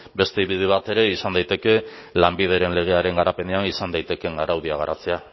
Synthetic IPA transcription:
be̞st̪eiβið̞eβ̞at̪e̞ɾe̞isand̪ajt̪e̞ke̞ | lambið̞e̞ɾe̞nle̞ɣ̞e̞aɾe̞ŋɡaɾape̞ne̞anisand̪ajt̪e̞ke̞ŋɡaɾawðiaɣaɾat͡sea

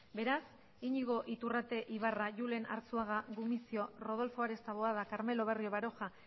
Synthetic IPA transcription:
be̞ɾas | iɲiɣ̞o̞ʔit̪urat̪e̞ʔiβaraʝule̞na̰ɾt͡suaɣ̞aɣumisio̞ro̞ð̞o̞lfo̞aɾe̞st̪aβoaðakaɾme̞lo̞βe̞rio̞βaɾo̞xa

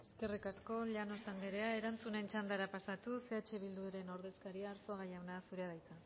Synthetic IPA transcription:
e̞skerikasko̞ʎano̞sand̪eɾe̞ae̞ɾant͡sune̞nt͡ʃand̪aɾapasat̪use̞at͡ʃe̞βild̪ueɾe̞no̞ɾðe̞skaɾiaːɾso̞aɣ̞ajawnasuɾeaðajt͡s̪a

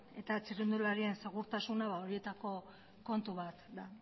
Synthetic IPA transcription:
e̞t̪at͡sirind̪ulaɾie̞nse̞ɣ̞uɾt̪asunaβao̞ɾie̞t̪ako̞ | ko̞nt̪uβat̪d̪a

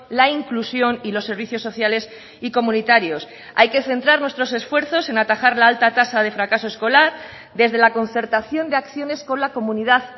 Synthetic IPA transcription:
laiŋklusjo̞nilo̞sːe̞ɾβiθjo̞sːo̞θjale̞s | iko̞mũnit̪aɾjo̞s | a̰jke̞θe̞nt̪ɾaɾnwet̪ɾo̞se̞sfwe̞ɾθo̞se̞nat̪axaɾlaalt̪at̪asaðe̞fɾakaso̞e̞sko̞laɾ | d̪e̞zðe̞lako̞n̟θe̞ɾt̪aθjo̞nd̪eakθjo̞ne̞sko̞nlako̞muniðað

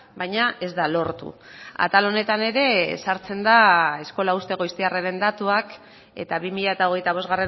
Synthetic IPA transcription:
bajɲaʔe̞zd̪alo̞ɾt̪ṵa̰t̪alo̞ne̞t̪ane̞ɾe̞saɾt͡se̞nd̪ae̞sko̞laust̪e̞ɣojst̪iareɾe̞nd̪at̪uak | e̞̰t̪aβimiʎae̞t̪ao̞ɣ̞e̞jt̪aβ̞o̞zɣare

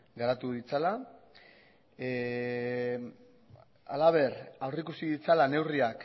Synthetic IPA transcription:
ɡaɾat̪uðit͡sala | a̰laβ̞e̞rawrikusiðit͡salane̞wriak

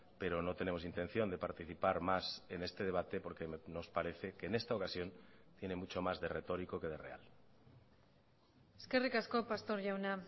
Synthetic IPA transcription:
pe̞ɾo̞no̞t̪e̞ne̞mo̞sint̪e̞n̟θjo̞nd̪e̞paɾt̪iθipaɾmase̞ne̞st̪e̞ð̞e̞β̞at̪e̞po̞ɾkeno̞spaɾe̞θeke̞ːne̞st̪aokasjo̞nt̪je̞ne̞mut͡ʃo̞mazðe̞re̞t̪o̞ɾiko̞ke̞ðe̞re̞a̰l | eskerikaskopast̪oɾʝawna

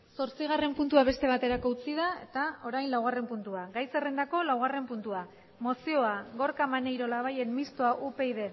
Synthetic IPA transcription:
so̞ɾt͡siɣ̞are̞mpunt̪uaβe̞st̪e̞β̞at̪e̞ɾako̞ut͡siðae̞̰t̪ao̞ɾajnlawɣare̞mpunt̪uaɡajse̞rend̪ako̞lawɣ̞are̞mpunt̪ua | mo̞sio̞aɣo̞ɾkamanejɾo̞laβ̞aje̞nmist̪oaʔupe̞jðe̞

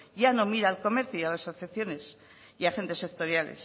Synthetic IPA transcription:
jano̞miɾaːlko̞me̞ɾθjuialasoθeθjo̞ne̞s | iaxe̞nt̪e̞sekt̪o̞ɾjalḛs

